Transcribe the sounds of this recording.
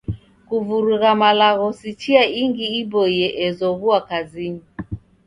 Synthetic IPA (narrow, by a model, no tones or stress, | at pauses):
kuvuɾuɣamalaɣɔsit͡ʃiaiŋɡiibɔjɛʔɛzɔɣuakazini